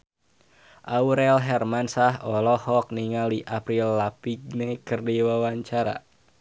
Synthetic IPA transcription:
ʔauɾɛlɦɛrmansaɦɔlɔhɔk̚niŋaldiʔapɾilːapiɡ̚nɛkərdiwawaɲt͡ʃaɾa̰

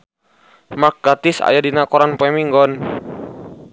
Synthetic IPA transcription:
mak̚ɡat̪isa̰jadinakɔɾanpɔɛmiŋɡɔn

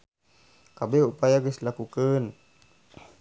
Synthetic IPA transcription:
kabeupajaɡəslakukən

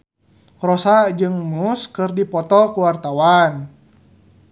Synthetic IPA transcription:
rɔsad͡ʒɨŋmuskɨrdipɔt̪ɔkuwart̪awan

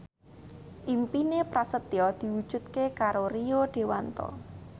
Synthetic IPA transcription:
ʔimpinepɾasət̪iɔd̪̥i̤wud̥ʒ̥ṳt̪̚kekaɾorioɖ̥e̤want̪ɔ̰

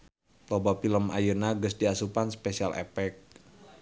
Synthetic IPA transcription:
t̪obafiləma̰jənaɡəsdiasupanspesialʔɛ̰pɛk̚

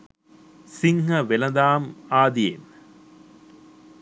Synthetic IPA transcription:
sɪŋɦɐʋɛlɐd̪aːmaːd̪iḛːn

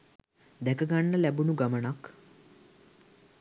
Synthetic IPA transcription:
d̪ɛkəɡaɳːɐlɛbunuɡɐməɳak

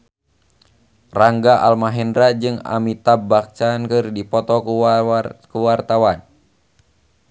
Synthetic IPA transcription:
raŋɡaʔalmaɦɛndɾad͡ʒɨŋa̰mit̪abak̚t͡ʃankɨrdipɔt̪ɔ | kuwart̪awan

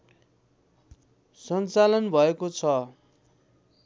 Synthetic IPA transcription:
sʌnt͡salʌnbʱʌekot͡sʰʌ

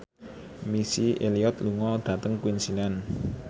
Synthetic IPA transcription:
misieliɔt̪luŋɔd̪̥ä̤t̪əŋkuinsinan

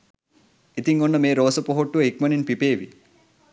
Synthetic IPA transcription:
it̪iŋonːəmeːɾoːsəpoɦoʈːuʋəikmɐninpipeːʋḭ

